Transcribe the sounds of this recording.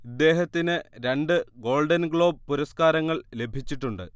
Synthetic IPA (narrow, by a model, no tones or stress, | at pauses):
id̪ːe̞ːɦɐt̪ːinɨɾe̞ɳɖɨɡo̞ːɭɖɐnɡɭo̞ːb̚puɾɐskaːɾɐŋːɐɭle̞bʱit͡ɕːiʈːuɳɖɨ̰